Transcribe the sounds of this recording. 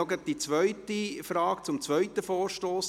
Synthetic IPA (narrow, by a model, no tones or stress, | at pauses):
ɔɡəd̥̪it͡sʋœʏt̪ifɾɑːkt͡sʊmt͡sʋœʏt̪ːəfoːɾʃtoːs